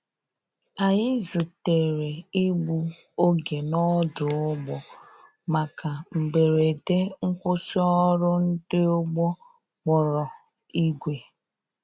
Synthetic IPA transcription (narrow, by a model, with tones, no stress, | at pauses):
a˨jɪ˦zu˨te˨ɾe˨i˦ɡ͡bu˦ | o˦ɡe˨nɔ˦dʊ˨ʊ˦ɡ͡bɔ˨ | ma˨ka˨ŋ͡m̩˨ɡ͡be˨ɾe˨de˦ŋ̩˦kʷʊ˦sɔ˦ɔ˦ɾʊ˦n̩˦dɪ˦ʊ˦ɡ͡bɔ˦ | k͡pɔ˨ɾɔ˨ | i˦ɡʷe˨